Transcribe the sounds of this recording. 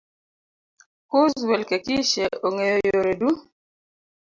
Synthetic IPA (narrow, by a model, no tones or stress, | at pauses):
kozzwɛlkekiʃeʔoŋejojoɾedu